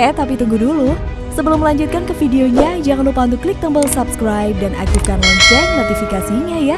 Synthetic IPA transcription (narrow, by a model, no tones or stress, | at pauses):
ɛt̪apit̪uŋɡudulu | səbəlʊmːəlaɲd͡ʒut̪̚kankəfideoɲad͡ʒaŋanlupaunt̪uklɪk̚t̪əmbəlsapskɾajp̚dana̰kukanɔɲt͡ʃɔnot̪ifikasiɲaja